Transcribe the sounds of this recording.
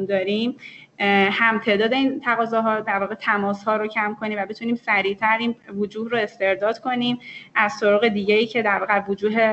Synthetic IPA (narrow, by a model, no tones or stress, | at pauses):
nd̪ɒːɾim | hæmt̪ʰe̞ːd̪ɒːd̪e̞iːnt̪ʰæɣɒːzɒːɦɒːd̪æɾvɒːɣet̪ʰæmɒːshɒːɾocʰæmkʰo̞niːmvæbe̞t̪ʰuniːmsæɾiːt̪ʰæɾiːnvod͡ʒuːhɾoe̞st̪e̞ɾd̪ɒːd̪̥kʰo̞niːmʔæz̥t̪o̞ɾɒːɣe̞d̪iːɟejiːcʰe̞d̪æɾvɒːɣevod͡ʒuːɦe